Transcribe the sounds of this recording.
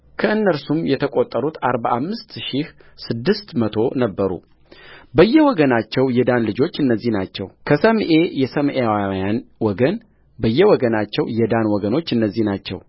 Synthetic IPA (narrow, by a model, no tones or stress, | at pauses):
kʰəɨnːəɾsumjɛt̪ʰəkʼot̪ʼːəɾut̪ʰaɾbaʔamːɨst̪ʃih | sɨd̪ːɨst̪mət̪ʰo̞nəbːəɾṵ | bəjːɛwɔɡənat͡ʃːɛwjɛd̪anlɨd͡ʒo̞t͡ʃːɨnːəzːihnat͡ʃːɛ̰wkʰəsəmʔe̞jɛsəmʔeawjanwɔɡən | bəjːɛwɔɡənat͡ʃːɛwjɛd̪anwɔɡəno̞t͡ʃːɨnːəzːihnat͡ʃːɛ̰w